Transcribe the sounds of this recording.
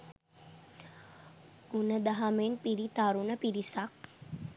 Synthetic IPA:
ɡunəd̪aɦamenpiɾit̪aɾunəpiɾisak̚

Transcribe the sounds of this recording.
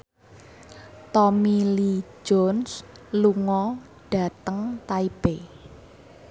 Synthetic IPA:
t̪ɔmilid͡ʒɔnsluŋɔ | ɖ̥ä̤t̪əŋt̪aib̥e

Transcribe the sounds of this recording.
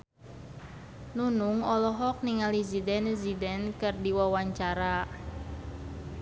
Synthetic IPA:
nunuŋɔlɔɦɔk̚niŋalizidɛnzidɛnkɨrdiwawaɲt͡ʃaɾa

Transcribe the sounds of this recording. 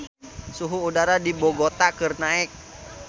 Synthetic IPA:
suɦuːdaɾadibɔɡot̪akɨrnaɛk̚

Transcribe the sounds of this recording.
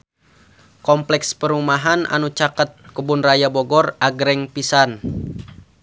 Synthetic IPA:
kɔmplɛkspəɾumaɦanʔa̰nut͡ʃakət̪̚kubʊnrajabɔɡɔraɡɾɛŋpisan

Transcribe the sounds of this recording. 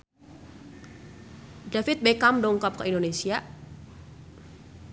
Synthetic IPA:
dafɪt̪̚bekamɖɔŋkɔp̚kəindonesia

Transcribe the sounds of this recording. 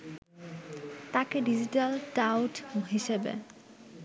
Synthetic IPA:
t̪akeɖid͡ʑiʈalʈawʈɦiʃebḛ

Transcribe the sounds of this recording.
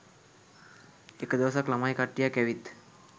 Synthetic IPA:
ekd̪iʋsaklamajkaʈːijakɛʋiːt̪

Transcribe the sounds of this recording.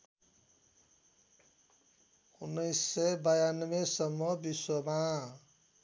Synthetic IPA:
unːʌjsːʌjbajanʌbesʌmːʌbiswʌma

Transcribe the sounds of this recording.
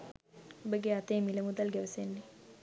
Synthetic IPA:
obəɡeat̪eːmiləmud̪alɡɛʋəsenːe

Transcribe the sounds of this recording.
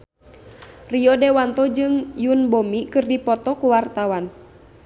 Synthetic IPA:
riɔdɛwant̪ɔd͡ʒɨŋjunbomikɨrdipɔt̪ɔkuwart̪awan

